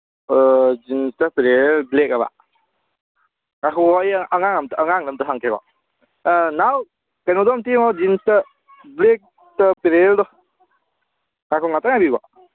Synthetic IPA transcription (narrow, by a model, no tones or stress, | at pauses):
d͡ʒinstɐpiɾelblekaba̰ | akʰɔajaŋaŋamtːŋaŋlɐmtaɦaŋkʰeɡɔ̰ | naw | kajnɔdɔmtiŋɔd͡ʒinstɐ | blek̚ | tɐpiɾeldɔ | ŋakʰɔŋataŋabiɡɔ